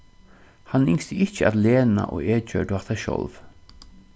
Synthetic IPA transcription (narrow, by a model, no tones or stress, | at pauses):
hanɪŋst̪əʔɪçəad̪leːna̰ʔoːeːd͡ʒœ̰ːdat̪aʃɔ̰lv